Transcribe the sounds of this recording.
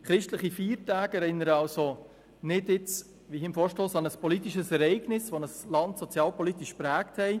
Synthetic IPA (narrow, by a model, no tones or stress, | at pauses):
χɾɪʃtləχifiːɾtæːɡɛɾɪnːəɾəɑlso | nɪdjɪt͡s | ʋiɪmfɔːɾʃtoːsɑnəspɔlit̪iʃəsɛɾɛɪɡnɪsʋonəslɑntsot͡sjɑːlpɔlit̪iʃpɾæːkthɛɪ